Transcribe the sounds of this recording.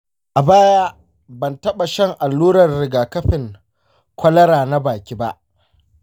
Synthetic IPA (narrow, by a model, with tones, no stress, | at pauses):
ʔa˨baː˦jaː˦ | bɐ˨ntɐ˦ɓa˨ʃɐ˦ŋʔa˨lːuː˦ɾɐ˨rːɪ˨ɡaː˨kɐ˦ɸɪ˨ŋ | kʷɐ˦lɐ˦ɾaː˨na˦baː˨kʲiː˦ba˦ʔ